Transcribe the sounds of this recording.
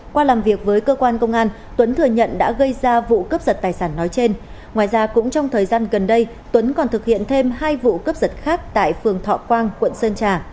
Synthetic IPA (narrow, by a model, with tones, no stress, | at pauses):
kwaː˧laː˨˩mvi˨˩ək̚vəː˨˦jkəː˧kwaː˧nkə˧wŋ͡mʔaː˧n | t̪wə˨˦nt̪ʰɨ˨˩əɲə̰˧˨nɗa̰ː˧˥ɣə˧jzaː˧vṵ˧˨kə˦˥p̚zə˨˩t̚t̪aː˨˩jsaː˧˩nːɔ˨˦jt͡ɕe˧n | ŋwaː˨˩jzaː˧kʊ̰˧˥ŋ͡mt͡ɕɔ˧wŋ͡mt̪ʰəː˨˩jzaː˧nɣə˨˩nɗə˧j | t̪wə˨˦nkɔ˨˩nt̪ʰɨ˨˩k̚hḭ˧˨ənt̪ʰe˧mhaː˧jvṵ˧˨kəː˦˥p̚zə˨˩t̚xaː˦˥k̚t̪a̰ː˧˨jfɨ˨˩əŋt̪ʰɔ̰˧˨kwaː˧ŋkwə̰˧˨nsəː˧nt͡ɕaː˧˩